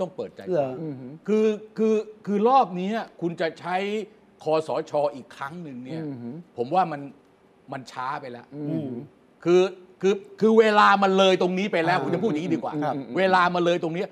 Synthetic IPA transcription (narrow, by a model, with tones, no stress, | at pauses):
t̪ɔ˥˩ŋpɤː˨˩t̪̚t͡ɕa̰˧j | kʰɯː˧kʰɯː˧kʰɯː˧ɾɔː˥˩p̚ni˦˥a˩kʰu˧nt͡ɕa˨˩t͡ɕʰa˦˥j | kʰɔː˧sɔː˩˦t͡ɕʰɔː˧ʔiː˨˩kʰːɾa˦˥ŋnɯ˨˧ŋni˦˥˩ɐpʰo˩˦mwaː˥˩ma˧n | ma˧nt͡ɕʰaː˦˥pa˧jlɛ˦˥ʔ | kʰɯː˧kʰɯː˧kʰɯː˧weː˧laː˧ma˧nlɤː˧jt̪o˧ŋniː˦˥pa˧jlɛː˦˥wku˧nt͡ɕa˨˩pʰu˥˩ji˨˦˥diː˧kwa̰ː˨˩weː˧laː˧ma˧nlɤː˧jt̪o˧ŋni˦˥ɐ